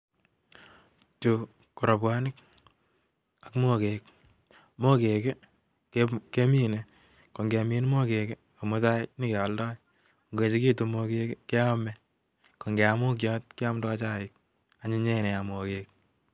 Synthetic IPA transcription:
t͡ʃu˨ | ko˨ɾo˨pwa˦nɪ˦k | a˨kmo˦ke˨k | mo˦ke˨ke˦ | keke˦mi˦ne˦ | ko˨ŋɡe˨mi˦n˦mo˦ke˨ke˦ | ko˨mʊ˦ta˦ɪnɪ˦ke˨ɔ˨ldɔ˦j | ŋɡe˨t͡ʃi˦kiː˦tu˨mo˧ke˦kke˦ɔ˦mɛ˦ | ko˨ŋɡe˨a˨mu˦k̬jɔ˦t̚kɪ˦a˦mdɔ˦t͡ʃa˦˨ɪ˦k̚ | a˨ɲi˦ɲe˦˨ne˨ja˨mo˨keː˨k̚

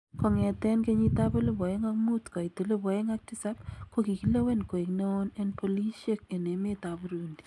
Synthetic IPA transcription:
ko˨ŋɛ˨t̪ɛ˦nke˦ɲi˦t̪a˦pu˦lɪ˦pɔ˨e˦ŋa˦k̚mu˦tkɔ˨itɪ˨lɪ˦pɔ˨e˦ŋak̚ti˦sa˦p̚koki˨ki˦le˦we˦nko˨e˨kneo˦nɛ˦npo˨li˦ʃe˦ke˨ne˨me˦ta˨pu˦ɾuːndi̥

